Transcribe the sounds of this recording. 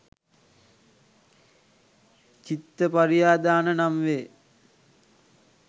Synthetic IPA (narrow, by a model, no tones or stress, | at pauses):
t͡ɕit̪ːəpaɾijaːd̪aːnənamʋeː